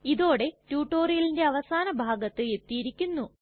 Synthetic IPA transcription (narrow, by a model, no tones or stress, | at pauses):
iðo̞ːɽe̞tuːʈːo̞ːrijɐlinde̞ɐʋɐsaːnɐbʱaːɡɐt̪ːɨe̞t̪ːijiɾikʲːunːu